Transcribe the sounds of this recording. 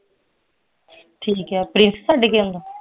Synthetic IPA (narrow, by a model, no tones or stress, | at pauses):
ʈʰiːkɦɛːpɾɪnssaːɖekeːʊ̃nd̪o